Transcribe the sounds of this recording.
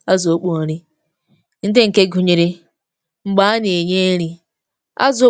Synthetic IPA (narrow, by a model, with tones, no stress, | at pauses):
a˦zo˦k͡po˦ɾi˦ | n̩˦de˦ŋ̩˨ke˦ɡu˨ɲe˨ɾe˦ | ŋ͡m̩˦ɡ͡ba˦a˦ni˨e˨ɲe˦ɾi˦ | a̰˦z